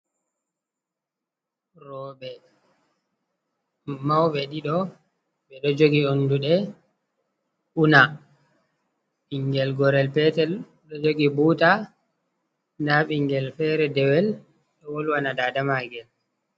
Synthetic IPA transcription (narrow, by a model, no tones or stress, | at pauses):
ɾɔɓɛ | mawɓɛɗiɗɔ | ɓɛɗɔd͡ʒoɡionduɗɛ | ʔuna | ɓiŋɡɛlɡɔɾɛlpɛtɛl | ɗɔd͡ʒoɡibuːta | naɓiŋɡɛlfɛɾɛdɛwɛl | ɗɔwɔlwanadaːdamaɡɛl